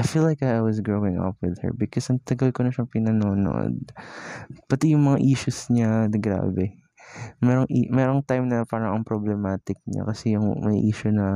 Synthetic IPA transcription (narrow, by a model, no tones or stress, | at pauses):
ʔajfiːlːajkajwɔsɡɹowɪ̃ŋɐ̰pwɪðhɛ̰ɹbɪkɔsʔɐŋt̪ɐɡɐlkonɐʃɐŋpɪnɐnoːno̰ʔo̰d̪̚ | pɐt̪ijʊŋmɐŋaʔiːʃʊsɲaɡɾa̰ːbɛ | mɛːɾoŋʔḭmɛːɾoŋt̪ajmnɐpaːɾɐŋɐŋpɾoblɛmaːt̪ɪk̚ɲa̰kɐsɛjʊŋmɐ̰jʔiːʃʊnɐ